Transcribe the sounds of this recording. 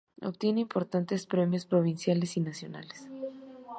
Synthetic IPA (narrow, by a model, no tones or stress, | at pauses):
o̰pt̪je̞neimpo̞ɾt̪ant̪e̞spɾemjo̞spɾo̞β̞insjale̞sinasjo̞na̰les